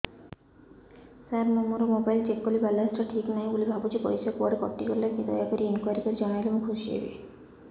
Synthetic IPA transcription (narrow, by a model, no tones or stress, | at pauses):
saɾmomoɾomobajlt͡ʃekːolibalɔesʈɾɔʈʰiknaj̃ulibʱabut͡ʃipo̰ɾisakuaɖekɔ̰ʈːikoɾilak̪id̪ɔjakoɾieŋkuaɾikɔɾid͡ʒɔnajlemukʰoʃiḛbḛ